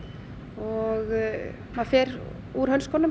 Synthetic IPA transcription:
ɔɣ | maðfɛɾ | uɾhɦœnskɔːnʏ

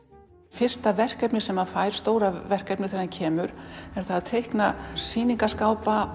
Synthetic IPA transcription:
fɪr̥st̪avɛr̥kɛpnɪ̥sɛmaðfaːjɾ̥st̪oːwɾavɛr̥kɛpnɪθɛɾancʰɛːmʏɾ̥ɛɾ̥θaðaðt̪ʰejhknasiːniŋkaskaːwpa

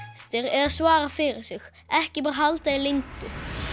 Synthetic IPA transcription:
st̪ɪɾɛɾaðsvaːɾafɪɾɪɾ̥sɪɣ | ɛhcɪpœɾɦalt̪ailɪnt̪ʊ

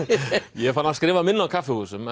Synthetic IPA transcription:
jɛfanaskɾɪːvamɪnːawkʰafːɪhuːsʏm

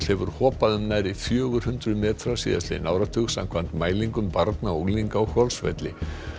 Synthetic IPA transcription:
l̥hɛvʏɾ̥hɔːpaðʏmnaðɾiθjœːɣʏɾ̥hʏnt̪ɾʏmɛːt̪ɾasḭːða̰st̪ɪ̰nawɾat̪ʰʏɣsa̰mkʰv̥ant̪maːjliŋkʏmpaɾt̪naliŋkaɔhɔlsvɛ̰t̪lɪ

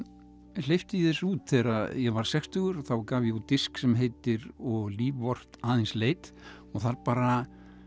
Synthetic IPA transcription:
l̥ejft̪ɪiθɛsuːt̪θɛːɾaðjɛɣvaɾ̥sɛkst̪ʏɣʏɾ̥θawkaːvjɛɣut̪ɪsksɛmɦejt̪ɪɾɔɣliːvːɔr̥t̪aːðɪnsleːjt̪ | ɔɣθaɾpaːɾa

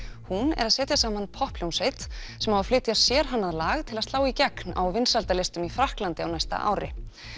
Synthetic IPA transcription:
hunɛ̰ɾaðsɛːt̪jasaːmanpʰɔhpljownsejt̪ | sɛmhavaflɪːt̪jasjɛːɾ̥ɦanːaðlaːɣt̪ʰɪlast̪laːwicɛkna̰wvɪnsalt̪alejst̪ʏmifɾahklant̪ɪawnajst̪a̰ʔa̰ːwɾɪ̰

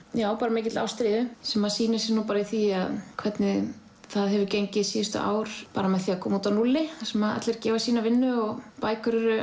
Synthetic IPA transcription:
jaːwpaːɾamec̬ɪt̪la̰wst̪ɾiːðʏsɛmːaðsiːnɪsɪnupaːɾaiθiaðkʰv̥ɛt̪nɪ | θaðɦɛvʏɾcejɲcɪðsiːðʏst̪ʏ̰ʔa̰ːwɾ̥paːɾamɛðθiːakʰɔːmuːt̪anulːɪasɛmaða̰t̪lɛɾcɛːvasiːnavɪnːʏɔɣpaːjkʏɾʏɾʏ

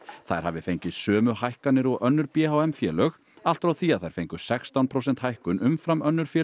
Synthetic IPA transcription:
θajɾ̥ha̰vɪfejɲcɪsœːmʏhajhkanːɪɾɔɣœnːʏɾpjɛːhawɛmfjɛːlœɣ | al̥t̪ɾawθiaðθajɾ̥fejŋkʏ̥sɛxst̪anpʰɾows̬ɛn̥t̪hajhkʏnʔʏmfɾamœnːʏɾ̥fjɛː

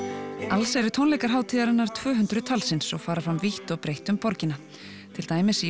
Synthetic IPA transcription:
alsɛɾʏt̪ʰownlejkaɾ̥ɦaːwt̪ʰiːðaɾɪnːaɾ̥t̪ʰv̥œːɦʏnt̪ɾʏt̪ʰalsɪnsɔɣfaːɾafɾamviht̪ɔɣpɾejht̪ʏmpɔɾcɪna | t̪ʰɪlt̪aːjmɪs

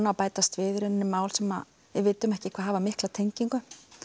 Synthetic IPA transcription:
naawpaːjt̪ast̪vɪːðʏɾɪnnːʏmaːwlsɛma | vɪðvɪːt̪ʏmɛhcɪkʰvaːðɦavamɪhklat̪ʰejɲciŋkʏ

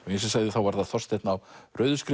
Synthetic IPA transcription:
ɔjɛs̬ɛsaɣðɪθawvaɾðaθɔst̪ejt̪nawrœːɥðʏskɾ

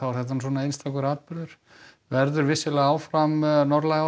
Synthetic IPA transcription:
awvaɾθɛht̪ansɔːnaejnst̪ʰakʏɾaːt̪̚pɪɾðʏɾ̥ | vɛɾðʏɾvɪsːɪlɛɣaːwfɾamnɔɾlaɣa

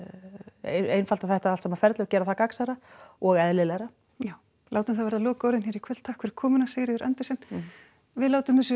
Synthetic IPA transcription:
ḛejnfalt̪aθɛht̪aalt̪sɛmafɛɾt̪lʏɣcɛːɾaθakaksaɾaɔɣɛðlɪlɛɾa | jaːw | laːwt̪ʏmθavɛɾðalɔːkːoːwɾðɪnçɛːɾikʰœlt̪ʰaːhkʰvɛɾɪ̥kʰɔːmʏnaseːɾɪðʏɾʔa̰nt̪ɪsɛn | vɪðlaːwt̪ʏmθɛs̬ʏ

